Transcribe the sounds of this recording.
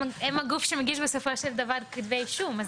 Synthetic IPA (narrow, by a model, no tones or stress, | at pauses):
ɛmɐɡufʃemeɡiʃbesofoʃeld̪avaɾkid̪vejʃumaz